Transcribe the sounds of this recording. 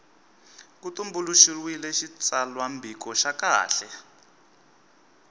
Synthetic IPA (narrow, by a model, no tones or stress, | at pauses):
kut̪umbuluʃirwilɛʃit͡salwambikɔʃaka̰ːɬɛ